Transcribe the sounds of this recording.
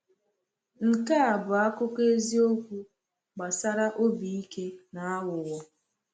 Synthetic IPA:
ŋ̩˨ka˦a˨bʊ˨a˦kʊ˦ke˦zi˦o˦kʷu˦ | ɡ͡ba˨sa˦ɾa˦ʔo˦bi˨i˦ke˦na˨a˦wʊ˨wɔ˦

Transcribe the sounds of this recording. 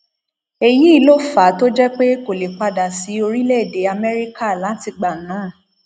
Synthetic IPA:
e˧ji˦i˦˧lo˦fa˨˦to˦d͡ʒɛ˦k͡pe˦ko˨le˨k͡pa˧da˨si˨˦o˧ɾi˦le˦˨de˨˦a˧mɛ˦ɾi˦ka˦˨lã˨˦ti˧ɡ͡ba˨nãː˨˦˨

